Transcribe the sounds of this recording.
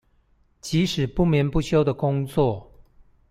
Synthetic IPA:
t͡ɕi˧˥ʂɻ̩˨˩pu˥˩˨mjɛ˧˥npu˥˨ɕjo˥ʊd̪ə˨kʊ˥ŋt͡swɔ˥˨

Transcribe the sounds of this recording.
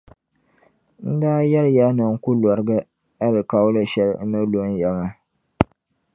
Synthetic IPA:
n̩˦daː˦jɛ˦lja˦nɨ˨ŋ̩˦ku˦lɔ˨ɾɨ˦ɡɨ˦ | a˦lɨ˨ka˦wʊ˦lɨ˦ʃɛ˦lnɨ˦lo˦n˦jɛ˨ŋa˦

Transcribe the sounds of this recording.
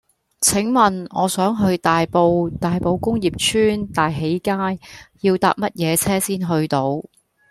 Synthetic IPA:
t͡sʰɪ˨˥ŋmɐ˨˩nŋɔː˨˧sœː˨˥ŋɦɵ˧ɥt̪aː˨jpo˨˧wt̪aː˨jpo˨˧wkʊ˥ŋjiː˨p̚t͡ʃʰyː˥nt̪aː˨jɦe˨˥jkaː˥jji˧wt̪a̰ː˨p̚mɐ˥t̚jɛː˨˧t͡sʰɛː˥siː˥nɦɵ˧ɥt̪o˧˥w

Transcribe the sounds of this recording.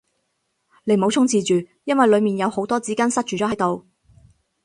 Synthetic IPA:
le˨˧˥jmo˨˧wt͡sʰʊ˥ŋt͡siː˨˧t͡ʃyː˨jɐ˥nwɐ˨jlɵ˨˧ɥmiː˨njɐ˨˧who˨˥wt̪ɔː˥t͡siː˨˥kaː˥nsɐ˥t̚t͡ʃyː˨t͡ʃɔ˨˥ɦɐ˨˥jt̪o˨w

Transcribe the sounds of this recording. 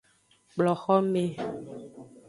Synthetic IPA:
k͡plɔ˨xɔ˦me˦˨

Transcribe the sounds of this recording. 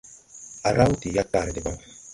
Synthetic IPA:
a˨ɾa˦wti˨ja˦ta˨ɾdi˨ba˦

